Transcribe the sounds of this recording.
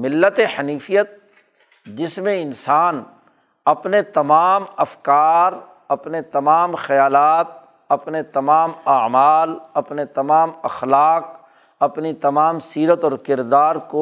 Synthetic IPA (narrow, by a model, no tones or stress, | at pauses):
mɪlːət̪eħɐniːfijət̪̚ | d͡ʒɪsmẽɪnsaːn | ɐpnet̪ɐmaːmɐfkaːɾ | ɐpnet̪ɐmaːmxɐjaːlaːt̪̚ | ɐpnet̪ɐmaːmaːmaːlɐpnet̪ɐmaːmɐxlaːq̚ | ɐpnit̪ɐmaːmsiːɾət̪ɔːɾkɪɾd̪aːɾko